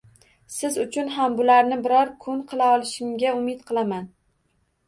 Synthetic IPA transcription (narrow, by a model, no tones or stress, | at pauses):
sɪzʊt͡ʃʰʊnɦambʊlaɾnɪbɪɾɒɾkʰʊnqʰɨlˠaɒlˠɪʃɪŋɡʲaʊmɪt̪qʰɨlˠaman